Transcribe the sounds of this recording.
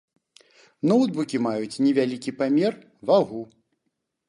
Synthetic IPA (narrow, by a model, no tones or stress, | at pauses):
nɔwd̪bukʲimajut͡sʲnʲɛvʲalʲikʲipamʲɛr | vaɣu